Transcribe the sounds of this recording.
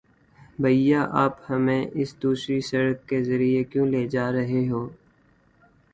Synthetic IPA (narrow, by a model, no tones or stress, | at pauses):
bʱɐijaːʔaːphɐmẽːʔɪsd̪uːsɾisɐɽəkkːezɐɾijekjõːleːd͡ʒaːɾɐɦeɦoː